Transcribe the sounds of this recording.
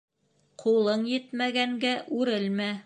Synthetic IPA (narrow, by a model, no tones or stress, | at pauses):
qʰulˠɤɴjɘ̆t̪mæɡæŋɡæʔʉɾɘlmæ